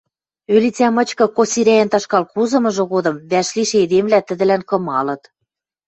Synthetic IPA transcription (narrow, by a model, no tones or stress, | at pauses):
ølit͡sʲæmɤ̆t͡ɕkɤ̆kosiɾʲæjɘ̆nt̪ɑʃkɑlkuzɤ̆mɤ̆ʒɤ̆ɣod̪ɤ̆mβæʃliʃed̪emlæt̪ə̆d̪ɘ̆lænkɤ̆mɑlɤ̆t̪